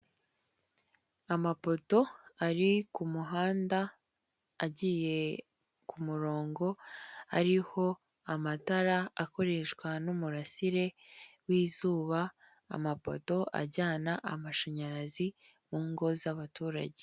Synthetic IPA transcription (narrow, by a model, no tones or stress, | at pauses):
amapo̞to̞aɾikumuɦaːndaː | ɟiːje̞ | kumuɾo̞ːŋɡo̞aɾiho̞ | amataɾaako̞ɾe̞ʃkwanumuɾasiɾe̞ | wiːzuːβa̰ː | mapo̞̰to̞ʔa̰ɟaːnaʔamaʃaɲaɾazi | muːŋɡo̞zaβatuːɾa̰ɟe